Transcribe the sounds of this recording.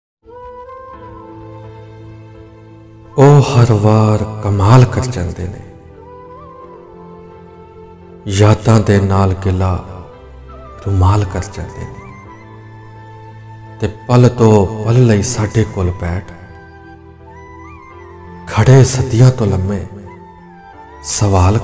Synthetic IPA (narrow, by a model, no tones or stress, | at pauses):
oːhəɾʋaːɾkəmaːlkəɾd͡ʒãːnd̪ḛːnḛː | jaːt̪ãːd̪eːnaːlɡɪlaː | ɾʊmaːlkəɾd͡ʒã̰ːnd̪ḛːneː | t̪eːpəlt̪õːpəlːəiːsaːɖeːkoːlbɛːʈʰ | kʰəɽeːsəd̪ɪjãːt̪õːləmːẽː | səʋaːl